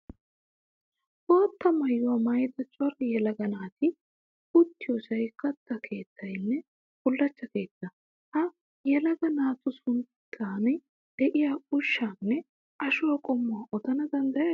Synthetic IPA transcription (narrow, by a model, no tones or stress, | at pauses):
ʔoːt̪ːɐmɐjːʊwamɐjd̪ɐt͡ʃʼɔrɪjɛlɐɡɐnaːt̪ɪ | ʊt̪ːɪjɔsɐjkːɐt̪ːɐkʰe̞ːt̪ʰːɐjnːɛ | kʊlːɐt͡ʃːɐke̞ːt̪ːɐ | hɐ | jɛlɐɡɐnaːt̪ʊsʊnt̪ʰːaːn | d̪̥ɛʔɪjaːʊʃːaːnːɛ | ʔɐʃʊwɐkʼɔmːʊwɐʔɔd̪ɐnɐd̪ɐnd̪ɐjɐ